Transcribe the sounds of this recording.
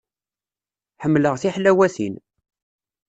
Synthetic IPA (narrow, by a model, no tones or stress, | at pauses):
ħəmːləʁθiħlæwæθḭn